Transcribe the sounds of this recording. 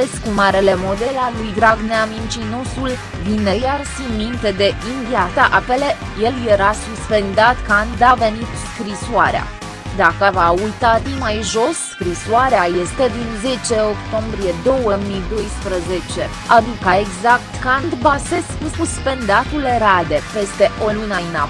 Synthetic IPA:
eskumaɾele̞mo̞d̪e̞lalujd̪ɾaɡneamint͡ʃino̞sul | d̪inejarsimint̪e̞d̪e̞ʔind̪iasaʔape̞le̞ | je̞ljeɾasuspe̞nd̪at̪kand̪d̪ave̞nit̪skɾisoaɾea̰ | d̪akəvaujt̪ad̪imajʒo̞sːkɾisoaɾeajest̪e̞d̪inze̞t͡ʃe̞o̞kt̪o̞mbɾije̞d̪o̞wəmid̪o̞jspɾəze̞t͡ʃe̞ | ad̪ikəe̞ɡzak̚t̪kand̪base̞skususpe̞nd̪at̪uleɾad̪e̞pe̞st̪e̞ʔo̞lunəɨna

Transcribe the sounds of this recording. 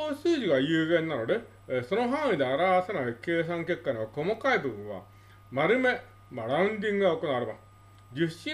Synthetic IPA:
oːsɯːd͡ʑiɡajɯːɡenːanoɾe | sonoɦãːĩd̪eaɾaasenaɾɯkeːs̬ãŋkekːaneokomokaibɯbɯ̃ɰʋa̰ | maɾɯme | maɾaɯnd̪iŋɡɯaokːonaɾɯma̰ | d͡ʑiɕːi

